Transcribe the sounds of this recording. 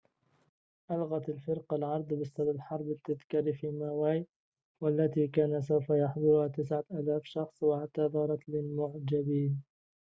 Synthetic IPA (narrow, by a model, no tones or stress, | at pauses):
ʔalɣat̪alfɪɾqalʕɑɾˤd̪ˤbɪsad̪alħɑɾˤbɪt̪ːaðkiːɾfiːmawaːj | walːat̪iːkaːnasawfajɑħd̪ˤʊɾʊhaːt̪ɪsʕaʔaːlaːfʃɑxsˤwaʕat̪ːaːðˤɑːɾˤɑt̪lɪlmʊʕd͡ʒabiːn